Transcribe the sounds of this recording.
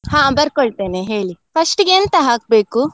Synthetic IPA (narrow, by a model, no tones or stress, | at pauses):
hãːbɐɾkoɭt̪eːneɦeːɭipɐʂʈɡeɐnt̪ɐɦaːk̚be̞ːku